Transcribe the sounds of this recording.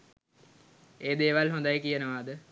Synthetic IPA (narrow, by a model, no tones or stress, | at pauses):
eːd̪eːʋalɦõnd̪ajəkijənəʋaːd̪ə